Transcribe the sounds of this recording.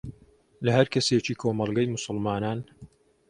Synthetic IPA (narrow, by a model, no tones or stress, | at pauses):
lɐhɐɾkʰɐset͡ʃiːkʰoːmɑlˠɡɐjmʊsʊlmaːnaːn